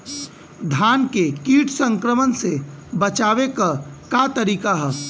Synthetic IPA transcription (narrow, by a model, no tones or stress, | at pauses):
d̪ʱjaːnkekiːʈʰsə̃ŋkɾəmənsebət͡ʃaːwekakat̪əɾiːkaɦɛː